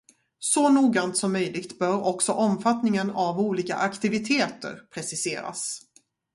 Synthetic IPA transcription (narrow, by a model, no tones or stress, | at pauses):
sɔnuːɡɾant̪sɔmːœjlɪɡt̪bœːɾɔksɔʔɔmfat̪nɪŋənavuːliːka̰ʔakt̪ɪvɪt̪ʰeːt̪ə̰ɾpʰɾɛsɪseːɾa̰s